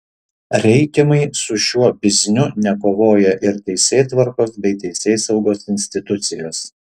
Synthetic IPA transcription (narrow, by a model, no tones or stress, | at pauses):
ɾʲɛɪkʲɛmɐɪsʊʃʲuɔbʲɪzʲnʲʊnʲɛkoːʋoːjɛʔɪɾt̪ʲɛɪsʲeːt̪ʋɐɾkoːsbʲɛɪt̪ʲɛɪsʲeːsɐʊɡoːsɪnʲsʲt̪ʲɪt̪ʊt̪sʲɪjoːs